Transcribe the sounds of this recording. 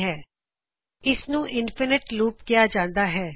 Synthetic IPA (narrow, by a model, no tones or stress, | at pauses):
ɦɛː | ɪsnũːʔɪnpʰɪnɪʈluːpɡɪjaːd͡ʒãːnd̪aːɦɛː